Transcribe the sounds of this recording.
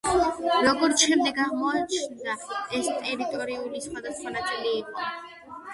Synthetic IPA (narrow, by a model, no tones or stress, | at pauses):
ɾɔɡɔɾt̪ʃɛmd̪ɛɡaʁmɔat͡ʃʰnd̪aɛst̪ʼɛɾit̪ʼɔɾiulisχwad̪asχwanat̪sʼiliːqʼɔ